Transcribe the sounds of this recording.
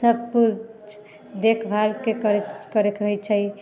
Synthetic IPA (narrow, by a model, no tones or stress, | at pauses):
səb̚puɾ | d̪ekʰbʱalkekəɾkəɾekɦojt͡ʃʰəj